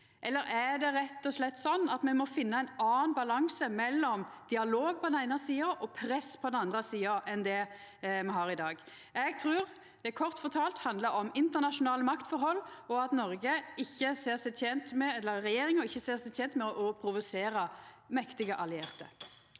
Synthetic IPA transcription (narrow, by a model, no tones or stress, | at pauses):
ʔɛlːəɾæd̪ɛɾɛt̪ːɔslɛt̪ːsɔnːɑt̪mɛmɔfɪnːəæɪnɑːnbɑlɑŋsəmɛlːɔmd̪̥ɪɑloːɡ̚pʰɔd̪ɛnæɪnəsiːɑʔɔpʰɾɛspʰɔd̪ɛnɑnd̪ʁəsiːɑʔɛnd̪ɛ | mɛɦɑːɾɪd̪ɑːɡ | ɛɡt̪ʰɾʉːʁ | d̪̥ɛækʰɔʁt̪fɔt̪ʰɑːlt̪hɑnd̪ləɾɔmɪnt̪əʁnɑʂʊnɑːləmɑkt̪fɔɾhɔlːɔɑt̪nɔɾɡəɪçːəseːʁsɛɛnt̪mɛɛlːəɾːɛjeːɾɪŋəɪçːəseːʁsɛɛnt̪mɛɔʔɔpʰɾʊʋʊseːɾə | mɛkt̪ɪɡəʔɑlɪeːʁt̪ə̰ɾ